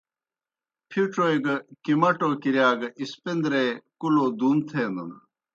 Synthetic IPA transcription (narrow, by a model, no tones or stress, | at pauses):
pʰiʈɾojɡɐkimɐʈoːkiɾjaːɡɐʔispend̪ɾekuloːd̪uːnt̪ʰeːnd̪ɐ̰n